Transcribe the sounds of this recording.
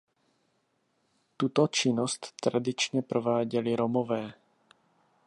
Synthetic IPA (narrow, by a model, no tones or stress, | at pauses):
t̪ut̪ot͡ʃɪnost̪ːɾadɪt͡ʃɲɛpɾovaːɟɛlɪɾomovɛː